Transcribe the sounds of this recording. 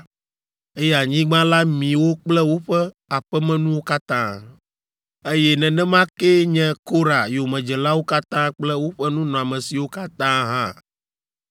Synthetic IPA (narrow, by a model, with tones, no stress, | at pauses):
e˦jɛ˦a˨ɲĩ˦ɡ͡bã˦la˦mĩ˨wo˦k͡plɛ˦wo˦ɸɛ˦ | a˨ɸɛ˦mɛ̃˦nũ˦wo˦ka˦t̪ã˦ | e˦jɛ˦nɛ̃˨nɛ̃˦mã˦ke˦ɲɛ̃˦ko˦ɾa˨jo˨mɛ̃˨d͡ʒɛ˨la˦wo˦ka˦t̪ã˦k͡plɛ˦wo˦ɸɛ˦nũ˦nɔ̃˨a˨mɛ̃˨si˨wo˦ka˦t̪ã˦ɦã˦